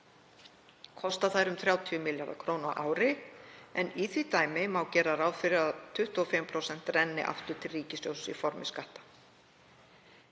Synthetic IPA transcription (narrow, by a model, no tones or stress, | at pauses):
kʰɔst̪aθajɾʏmθɾjaːwt̪ʰiʏmɪljaɾða̰kʰɾownaʔaːwɾɪɛniθvit̪aːjmɪmaːwcɛːɾaɾaːwfɪɾɪɾaðt̪ʰʏht̪uɔfɪmpʰɾowsɛn̥t̪rɛnːɪ̰ʔa̰ft̪ʏɾ̥t̪ʰɪlriːcɪsjowsifɔɾmɪskaht̪ḁ